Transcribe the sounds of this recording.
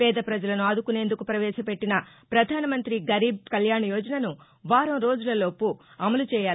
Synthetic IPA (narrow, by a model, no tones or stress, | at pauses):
pɛːd̪ɐpɾɐd͡ʒɐlɐnuɐd̪ukune̞ːnd̪ukupɾɐʋɛːʃɐpe̞ʈːinɐpɾɐd̪ʱaːnɐmɐnt̪ɾiɡɐɾiːb̚kɐljaːɳɐjɔːd͡ʒɐnɐnu | ʋaːɾɐmɾo̞ːd͡ʒulɐlo̞ːpuɐmɐlut͡ʃɛːjaː